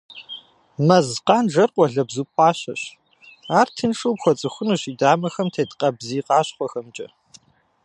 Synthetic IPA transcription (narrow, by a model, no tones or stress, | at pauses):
mɐzqɑːnʐɐrqʷʼɔɮɐbzuːpʷʼɑːɕɐ̰ɕ | aːrtʰɨnʂʼuːpxʷɔt͡sʼɨxʷʊnɨɕiːdaːmɐxɐmtʰeːtqʼɐbziːqɑːɕχʷɔxɐmt͡ʃʼɐ̰